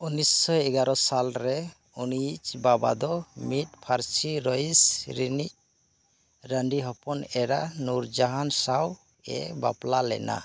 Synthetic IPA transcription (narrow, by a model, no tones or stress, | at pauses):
unisːɔɛɡaɾɔsalɾɛ | unit͡ʃbaba̰d̪ɔmit̚pʰaɾt͡ʃiɾɔisɾinic | ɾəɳɖiɦɔpɔnɛɾanuɾd͡ʒaɦansaw | ɛ̰ba̰plalɛ̰na̰